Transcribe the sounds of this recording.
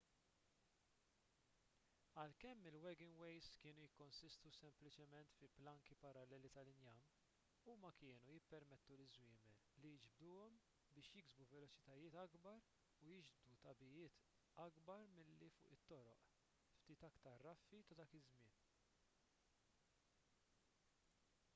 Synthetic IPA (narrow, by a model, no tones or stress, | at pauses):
ɐlkɛmːɪlwɛɡɪnwɛjzkɪːnujɪkːɔnsɪst̪usɛmplɪt͡ʃɛmɛnt̪fiplɐŋkipɐɾɐlːɛːlit̪ɐlɪnjɐn | umɐkɪːnujɪpːɛɾmɛt̪ːulɪzwɪːmɛlːijɪd͡ʒb̚d̪uːɔm | bɪːʃjɪɡzbuvɛlɔt͡ʃɪ̥t̪ɐjɪːt̪ɐɡbɐɾ | ujɪd͡ʒbd̪ut̪ɐbɪjɪːt̪ | ɐɡbɐɾmɪlːifʊ̰ːʔɪt̪ːɔɾɔ̰ʔ | ft̪iːt̪ɐkt̪ɐɾːɐfːit̪ɐd̪ɐːkɪzmɪːn